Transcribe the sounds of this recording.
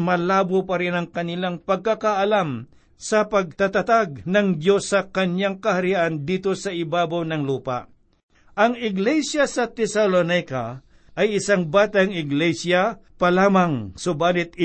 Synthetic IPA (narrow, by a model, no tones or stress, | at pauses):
mɐlaːbopɐɾɪnɐŋkɐnɪlaŋpɐɡ̚kakaʔɐlam | sɐpɐɡ̚t̪at̪ɐt̪aɡ̚nɐŋd̪jo̞sːɐkɐnjaŋkɐhɐɾiʔand̪iːt̪osɐʔɪbaːbawnɐŋluːpa̰ | ʔɐŋɪɡlɛsjasɐt̪ɛsalonajka | ʔɐjɪsaŋbaːt̪aŋɪɡlɛsjapɐlaːmɐŋsʊbaːlɪt̪̚ɪ